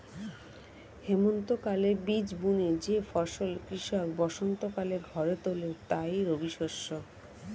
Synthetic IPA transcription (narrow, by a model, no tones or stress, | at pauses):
hemont̪okalebid͡ʑbuned͡ʑefɔʃolkɾiʃɔkbɔʃont̪okaleɾɡʱɔɾet̪olet̪ajɾobiʃoʃːo